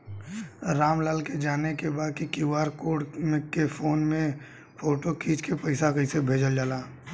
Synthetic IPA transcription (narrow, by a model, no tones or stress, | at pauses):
ɾaːmlaːlked͡ʒaːnekebaːd̪̚kikɪwaːɾkoːɽmẽkkːefʰoːnmẽ | pʰoːʈokʰiːt͡ʃkepəɪsakəɪsebʱeːd͡ʒəld͡ʒalaː